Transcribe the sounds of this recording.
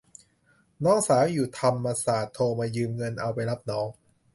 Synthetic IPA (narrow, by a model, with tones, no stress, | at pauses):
nɔː˦˥ŋsaː˩˦wjuː˨˩t̪ʰa˧mːaː˧saː˨˩t̪ʰːoː˧maː˧jɯː˧mŋɤ˧nʔa˧wpa˧jla˦˥p̚nɔː˦˥ŋ